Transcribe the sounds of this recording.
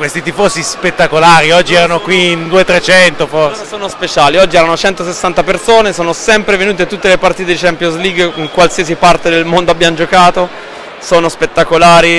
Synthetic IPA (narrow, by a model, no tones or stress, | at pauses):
kwest̪it̪ifosispet̪ːakolaːɾiɔd͡ʒːiɛɾanokwiind̪uːet̪ɾet͡ʃɛnt̪ofosoːnospet͡ʃaːliɔd͡ʒːiɛːɾanot͡ʃɛnt̪osesːant̪apersoːnesoːnosɛmpɾevenuːt̪̬et̪ut̪ːelepart̪iːt̪̬ed̪it͡ʃɛmpjosliɡːiŋkwalsiasipart̪ed̪elmond̪oabːjamod͡ʒokaːt̪o | soːnospet̪ːakolaːɾi